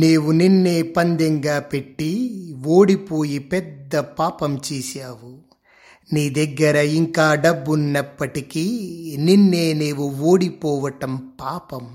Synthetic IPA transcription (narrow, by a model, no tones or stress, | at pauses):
niːʋuninːeːpɐnd̪ɛŋɡaːpeʈːiʋoːɽipoːjipɛd̪ːɐpaːpɐmt͡ʃiːsijaːʋu | niːd̪ɛɡːɐɾɐiŋkaːɖɐbːunːɐpːɐʈikininːeːneːʋuoːɽipoːʋɐʈɐmpaːpɐm